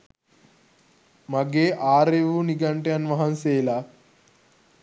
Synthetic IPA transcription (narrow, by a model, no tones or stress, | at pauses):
mɐɡeːʔaːɾeʋuniɡɐɳʈeɐnʋɐɦɐnseːlaː